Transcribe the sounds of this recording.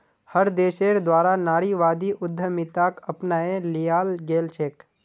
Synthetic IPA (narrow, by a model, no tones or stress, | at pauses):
həɾd̪eːʃeːɾd̪waːɾanaːɽiʋaːd̪iʔʊd̪ʱːəmɪt̪aːkɐpnaːẽlijaːlɡeːlt͡ʃʰeːk